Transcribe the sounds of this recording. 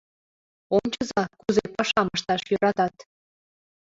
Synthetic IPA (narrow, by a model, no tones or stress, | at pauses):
ont͡ɕəzɑkuzepɑʃɑməʃt̪ɑʃjøɾɑt̪ɑt̪